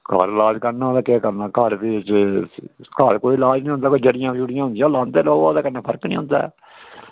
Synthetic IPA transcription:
kə̰ɾlaːd͡ʒkəɾnãːlaːkɛːkəɾnaːkəɾt̪e | kəɾkoːiːlaːd͡ʒnĩːõnd̪aːkoid͡ʒəɽɪjãːʃuːɽɪjãːɦʊnd̪jãːlãːnt̪eːloːaːd̪aːkənːãːpʰəɾknĩːɦʊ̃ːnd̪a̰ː

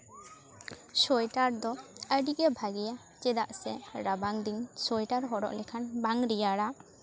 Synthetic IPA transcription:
sɔjʈaɾd̪ɔəɖiʔɛbʱaɡɛja | t͡ʃɛd̪aʔsɛɾabaŋd̪iŋsɔjʈaɾɦɔɽɔ̰ʔlɛkʰanbaŋɾijaɽa

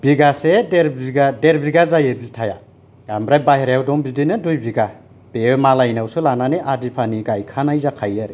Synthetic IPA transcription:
biɡasedeɾbiɡadeɾbiɡazajebiltʰaja | ambɾajbaɦeɾjawdɔŋbidinɯdujbiɡa | b̥emalajnawsɯlananeʔadipʰaniɡajkʰanajzakʰajaɾe

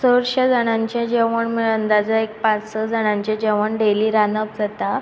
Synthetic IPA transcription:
səɾɕad͡zaɽ̃ãɲt͡ɕãd͡ʑeʋəɳməɭənd̪ad͡zəek̚pãt͡ssəd͡zaɽ̃ãɲt͡ɕed͡ʑeʋəɳɖeliɾanəp̚d͡zat̪a

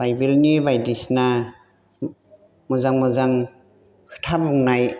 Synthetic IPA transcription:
bajbilnibajdisna | mɔzaŋmɔzaŋ | kʰɯ̥tʰabɔŋnaj

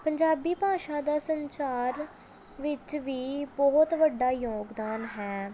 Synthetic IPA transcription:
pəɲd͡ʒaːbiːpaːʃaːd̪aːsəɲt͡ʃaːɾ | ʋɪt͡ʃʋiːbɔːt̪ʋəɖaːjoːɡd̪aːnɦɛː

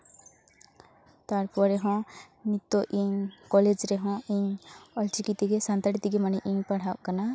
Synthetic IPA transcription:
t̪aɾpɔɾeɦɔ̃ | nit̪ːoʔiŋkɔled͡ʒɾeɦɔ̃iŋɔlt͡ʃikit̪iɡesant̪aɽit̪iɡemaneʔiŋpaɽ̤awʔkana

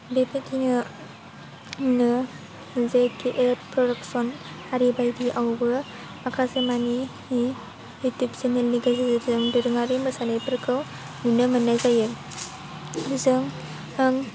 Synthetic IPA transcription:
bepʰetʰinɯ | nɯ | zekʰiʔeɾpɾɔdaksɔn | haɾibajdiʔawbɯ | makʰasemani | i | utup̚senelniɡazizeɾzɯŋdɯɾɯŋaɾimɯsanajpɯɾkʰɯw | nunɯmɯnːajzajɯ | zɯŋ | hɯŋ

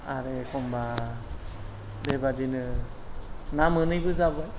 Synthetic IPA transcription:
a̰ɾekʰɔmba | debadinɯ | namɯnɯjbɯzabɯj

